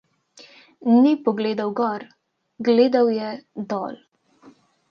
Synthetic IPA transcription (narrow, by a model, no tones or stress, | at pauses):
nipɔɡleːd̪awɡɔːɾ | ɡleːd̪awjɛd̪ɔ̰ːl